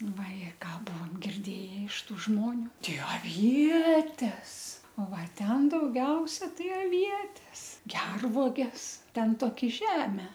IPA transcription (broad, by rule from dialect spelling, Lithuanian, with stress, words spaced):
ʋɐˈjɛ ˈkɑː ˈbʊʋoːm ɡʲɪrʲˈdʲeːjɛ ɪʃ ˈtuː ˈʒmoːnʲʊ ˈtʲɛɪ ɐˈʋʲiɛtʲɛs ˈoː ˈʋɐ ˈtʲɛn dɐʊˈɡʲɛʊsʲɛ ˈtɐɪ ɐˈʋʲiɛtʲɛs ˈɡʲɛrʋuɔɡʲɛs ˈtʲɛn ˈtoːkʲɪ ˈʒʲæːmʲɛ